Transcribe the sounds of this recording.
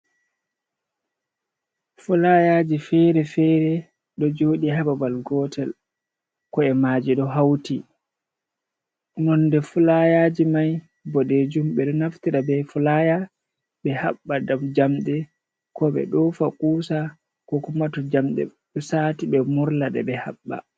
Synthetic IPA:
fulajaːd͡ʒifɛɾɛfɛɾɛ | ɗɔd͡ʒoːɗiɦababalɡɔtʰɛl | kɔɛmaːd͡ʒiɗɔɦawti | nɔnːdɛfulajaːd͡ʒimaj | bɔɗed͡ʒumɓɛɗɔnaftiɾabɛfulaja | ɓɛhaɓːadamd͡ʒamɗɛ | kɔɓɛ̰ɗɔfakʼuːsa | kɔkumatɔd͡ʒamɗɛ̰ɗɔsaːtiɓɛmuɾlaɗɛ̰bɛha̰ɓːa̰

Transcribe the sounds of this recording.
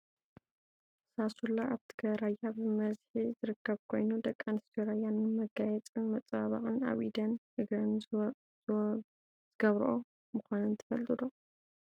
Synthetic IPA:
sasulaʔaβt̪ʰɨ̥ɡɐɾajabɨmɐzħizɨɾɨkːɐβkʰo̞jnud̪ɐkʼːanist̪ʰoɾajannmɐɡajɛt͡sʼɨnmɐt͡sʼaβaχʼɨna̰βʔid̪ɐnhɨɡɾɐn | z̥ɨɡɐβɾʔo | mɨxʷanɨnt̪ʰɐfɐlt̪ʼɨd̪o

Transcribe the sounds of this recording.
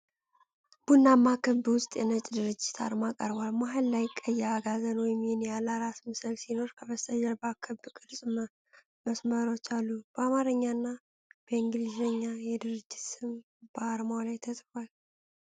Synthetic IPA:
b̥unːamːakʰɨbwʊst̪ʼjɛ̰nət͡ʃʼd̪ɨɾɨd͡ʒːɪt̪ʰa̰ɾmakʼə̰ɾbalmaɦɨlːajkʼːəjːɛaɡazənwɔjmihɪnjalaɾasmɨsɨlsino̞ɾkʰəbəst̪ʰʼəjɛɾbakʰɨbkʼɨɾsʼmə | məsməɾo̞t͡ʃːalːub̥əamaɾəɲːanːa | b̥əiŋɡlizəɲːajɛd̪ɨɾɨd͡ʒːɪt̪sɨm | b̥əaɾmawlajt̪ʰət̪ʼfwal

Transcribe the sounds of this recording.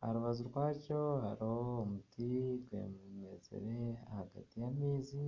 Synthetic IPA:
ha̰ɾuβazuɾɡwaːco̞ha̰ɾoːmutiɡwḛmemezḛɾe̞ahaɡa̰tijamiːzi

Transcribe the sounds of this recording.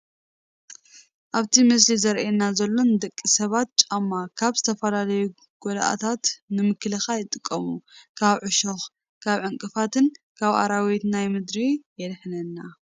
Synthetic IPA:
ʔaβt̪ʰimɨs̬lizɐɾʔenːazɐlːo̞nd̪ɐkʼːisɐβat̪̚t͡ʃʼamːakʰaβzɨt̪ʰɐfɐlalɐju | ɡ̥ola̰ʔa̰t̪ʰat̪nɨmɨklɨxajɪt̪ʼɨkʼːɐmukʰaβʕʊʃox | kʰaβʕɨŋkʼɨfat̪ɨn | kʰaβʔa̰ɾawet̪najmɨd̪ɾijɛlħnɐnːa

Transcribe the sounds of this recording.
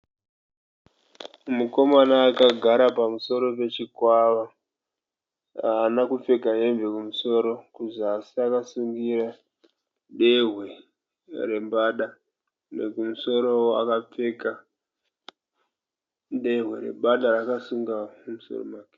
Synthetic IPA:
muko̞manaːkaɡʱaɾapamuso̞ɾo̞pe̞t͡ʃikwaʋa | aːnakup͡fe̞kaɦe̞mve̞kumuso̞ːɾo̞kuʐiaːsiakasuŋɡiɾa | ɗeɦwe̞ | re̞mbaɗa | nḛkumuso̞ɾo̞wa̰kap͡fe̞ka | nde̞ɦwe̞ɾe̞̰ɓaɗaɾakasuŋɡamumuso̞̰ro̰mwaːke̥

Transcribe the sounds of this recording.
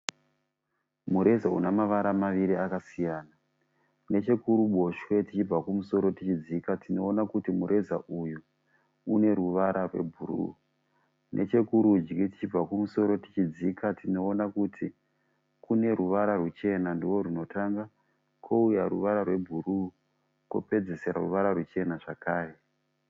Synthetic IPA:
muɾe̞zaṵnamaʋaɾamaʋiɾiakasijaːna | ne̞t͡ʃe̞kuɾuɓo̞ʃwe̞tit͡ʃib͡vakumuso̞ɾo̞tit͡ʃid͡zikatʰino̞ːnakutimuɾʔe̞za̰ʔuju | une̞ɾuʋaɾarwe̞̰bʱuɾṵː | nʔe̞̰t͡ʃe̞kuɾud͡ʒɡiti̥t͡ʃib͡vakumuso̞ɾo̞ti̥t͡ʃid͡zikatʰino̞ːnakutʰi | kune̞ɾuʋaɾarwut͡ʃe̞nandiwo̞ɾuno̞tʰaŋɡa | kʰo̞ujaɾuʋaɾarwe̞bʱuɾu | ko̰pe̞d͡ze̞se̞ɾa̰ruʋaɾarut͡ʃe̞naʐakaːre̞

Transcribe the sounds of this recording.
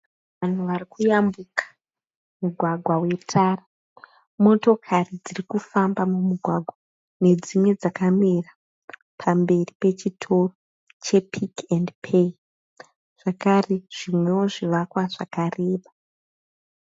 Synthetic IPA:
ʋan̤uʋarikujambukḁ | muɡʱwaɡʱwawe̞tʰaːra | mo̞to̞kʰarid͡zirikufambamumuɡʱwaɡʱwa | ne̞d͡zimwe̞d͡zakamira | pʰambe̞ripe̞t͡ʃitʰo̞ro | t͡ʃe̞pʰikendpʰe | ʐ̥akareʐ̥imwe̞wo̞ʐiʋakwaʐakareːɓa

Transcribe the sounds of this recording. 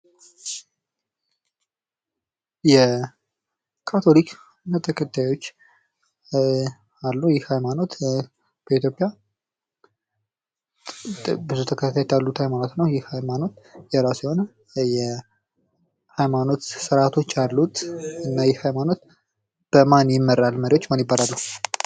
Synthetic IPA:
jɛ | kʰat̪ʰo̞lik | nat̪ʰəkʰət̪ʰːajo̞t͡ʃː | alːujɪhhajmano̞t̪ | b̥əit̪ʰjo̞pʼːja | bɨzut̪ʰəkʰət̪ʰat̪ʰːajt̪ʰjalːut̪hajmano̞t̪nəwjɪhhajmano̞t̪jɛɾasjɛho̞nə | jɛ | hajmano̞t̪sɨɾat̪ʰo̞t͡ʃːalːut̪ɨnːajɪhhajmano̞t̪ | b̥əmanjɪmːəɾalməɾiwo̞t͡ʃːmanjɪbːaɾalːəhu

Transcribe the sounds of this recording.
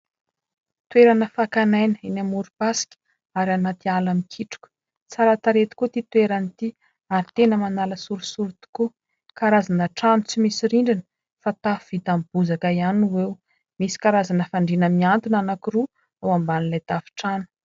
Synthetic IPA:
t̪uweɾanəfakanajnəinamuɾupasi̥kʲə̥ | aɾanat̪ialamikʰiʈ͡ʂu̥kʲə̥ | t͡saɾat̪aɾet̪i̥kut̪it̪ueɾanit̪i | aɾit̪enəmanaləsuɾusuɾit̪i̥ku | kaɾazanəʈ͡ʂanut͡simisiɾiɳɖ͡ʐinə | fat̪afuv̥it̪amb̥uzakaianwew | misi̥kaɾazanəfaɳɖ͡ʐinəmiant̪inanakiru | awambanilajd̪afi̥ʈ͡ʂanu̥

